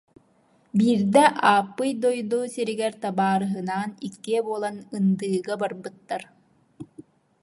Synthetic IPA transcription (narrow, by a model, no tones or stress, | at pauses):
biːɾd̪ɛʔaːpːɯjd̪ɔjd̪oːsiɾiɡɛɾt̪abaːɾɯɦɯnaːnikːiɛbuɔlˠanɯnd̪ɯːɡabaɾbɯt̪ːaɾ